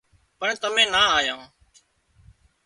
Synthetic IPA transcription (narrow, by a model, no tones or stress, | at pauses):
pəɳt̪əmẽːnaːaːjãː